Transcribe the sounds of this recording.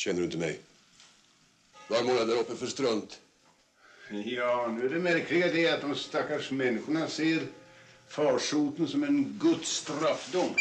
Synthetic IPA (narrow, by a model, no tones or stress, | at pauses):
ɕɛnːɾɖɵɪnt̪əmɛ̰j | vaɾmoːɡad̪æɾɔpːəfœʂt̪ɾœnt̪ | jɑːnʉ̟ːæɖɛmæɾkʰlɪɡəd̪ɛɾat̪̚d̪ɔmst̪akːaʂmɛnːɪɧʊɳaseːɾfɑːʂuːt̪ənsɔmɛnɡɵt̪st̪ɾafːd̪ʊmː